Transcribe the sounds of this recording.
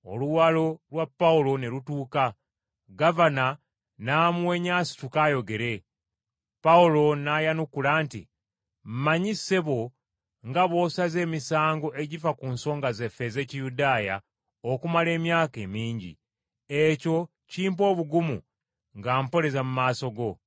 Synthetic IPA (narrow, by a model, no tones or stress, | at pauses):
o̞̰luwalo̞lwapːaulo̞nelutuːka | ɡavana | namuwe̞ɲaːsi̥tukaːjo̞ɡe̞ɾe̞ | paulo̞najanukulaːntḭ | m̩maɲise̞βo̞ | ŋɡaβo̞ːsaze̞ːmisaːŋɡo̞ʔe̞ɟifakunso̞ːŋɡaze̞fe̞ze̞ːcijudaːja̰ | o̞kumale̞ːmjaːke̞miːɲɟḭ | eco̞ | ciːmp̬o̞ːβuɡumṵ | ŋɡaːmpo̞ɾe̞zamumaːso̞ɡo̞